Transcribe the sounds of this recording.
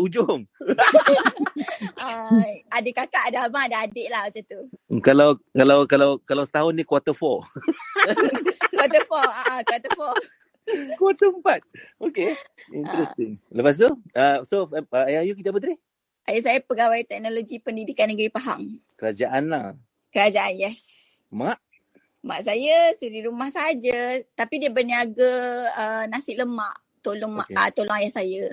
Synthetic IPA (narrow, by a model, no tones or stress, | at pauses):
ud͡ʒʊŋ | aadakakaʔadaabaŋadaadeʔlahbat͡ʃat̪ukalawkalawkalawkalawsə̥t̪aɦʊnːikwat̪əfɔ | kwat̪əfɔakwat̪əfɔ | kwɔt̪əəmpat̪̚okeḭnt̪ɾɛst̪ɪŋləpas̬t̪uasoajajukid̪apət̪ɾih | ʔajaʔsajapəɡawajt̪ɛk̚noloɡipəndidikanəɡɾipaɦa̰ŋkəɾad͡ʒaʔana | kəɾad͡ʒaʔanjɛs | maʔ | maʔs̬ajəsuɾiɾumahsaad͡ʒət̪apidiəbərniaɡaənasɪʔ̚ləmaʔ | t̪olɔŋaət̪olɔŋajahsajə